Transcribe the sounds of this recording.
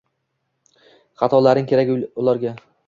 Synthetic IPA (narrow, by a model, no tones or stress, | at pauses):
χɑt̪ʰɒlaɾɪŋkʲʰe̞ɾakʲʊlˠaɾɡʲa